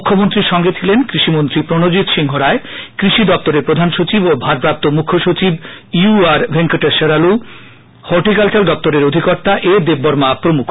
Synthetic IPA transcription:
ukʰːomont̪ɾiɾʃɔŋɡet̪ʰilenkɾiʃimont̪ɾipɾonod͡ʑit̪ʃiŋɦoɾaekɾiʃid̪ɔp̚t̪oɾeɾpɾod̪ʱanʃot͡ɕibobʱaɾpɾap̚t̪omukʰːoʃut͡ɕibjuaɾbʱeŋkoʈeʃeɾalu | hɔɾʈikalt͡ɕald̪ɔp̚t̪oɾeɾod̪ʱikɔɾt̪aʔed̪ebːɔɾmapɾomukʰ

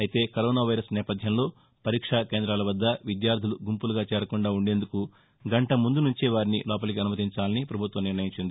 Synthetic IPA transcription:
ɐjit̪e̞ːkɐɾoːnaːʋɐjɾɐsnɛːpɐd̪ʱjɐmlo̞ː | pɐɾiːkʂaːke̞ːnd̪ɾaːlɐʋɐd̪ːɐʋid̪jaːɾd̪ʱiluɡumpuluɡaːt͡ʃɛːɾɐkuɳɖaːuɳɖe̞ːnd̪uku | ɡɐɳʈɐmund̪unuɲt͡ʃeʋaːɾinḭlɔːpɐlɐk̬iɐnumɐt̪iɲt͡ʃaːlɐnipɾɐbʱut̪ʋɐmniɾnɐjiɲt͡ʃind̪i

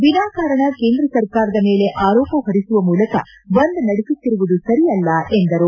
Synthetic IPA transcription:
binaːkaːɾɐɳɐke̞ːnd̪ɾɐsɐɾkaːɾɐd̪ɐme̞ːle̞ʔaːɾoːpɐɦɐɾisuʋɐmuːlɐkɐ | bɐnd̪nɐɽisit̪ːiɾuʋud̪usɐɾijɐlːɐend̪ɐɾu

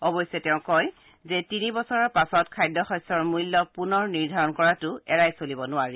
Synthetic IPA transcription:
ɔbɔjsɛtɛʊ̃kɔj | zɛtinibɔsɔɹaɹpasɔtkʰajdːɔxɔjsɔɹmujlːɔk̚punɔɹniɹdʱaɹɔnkɔɹatʊɛɹajsolibɔnʊaɹi

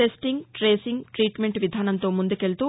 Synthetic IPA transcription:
esʈiŋɡʈɾeːsiŋɡʈɾiːʈme̞ɳʈʋid̪ʱaːnɐnt̪o̞ːmund̪uke̞lt̪u

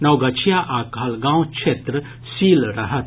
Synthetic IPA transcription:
nɐwɡɐt͡ɕʰjaʔakalɡãwkɕʰet̪ɾə | siːlɾɐɦət̪̚

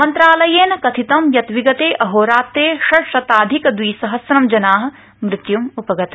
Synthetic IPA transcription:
mɐnt̪ɾaːlɐjeːnkɐt̪ʰit̪ɐmjɐt̪ʋiɡɐt̪eːʔɐɦoːɾaːt̪ːeːʃɐʃɾɐt̪aːd̪ʱikd̪ʋiːsɐɦɐsɾɐmd͡ʒɐnaːɦɐ̆ | mɾɪt̪jumupɐɡɐt̪

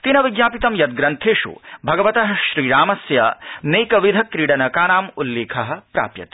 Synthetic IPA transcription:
t̪inɐʋiɡjaːpit̪ɐmjɐd̪̚ɡɾɐnt̪ʰeːʃṵbʱɐɡɐʋɐt̪ɐɦɐ̆ʃɾiːɾaːmɐsja̰neːkɐʋid̪ʱɐkɾiːɽɐnɐkaːnaːmulːeːkʰɐɦɐ̆pɾa̰ːpjɐ̰t̪

